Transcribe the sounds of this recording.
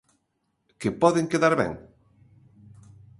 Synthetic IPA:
kepɔðeŋkeðaɾβɛ̰ŋ

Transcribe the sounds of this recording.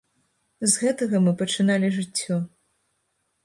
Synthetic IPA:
zɣɛt̪ɐɣɐmɨpɐt͡ʂɨnalʲiʐɨt͡sʲːɔ

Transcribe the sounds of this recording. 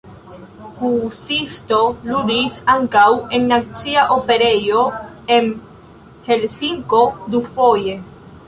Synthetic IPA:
kusist̪o̞lud̪isaŋkawe̞nːat͡siaʔope̞ɾe̞jo̞ | en | helsiŋko̞d̪ufo̞je̞

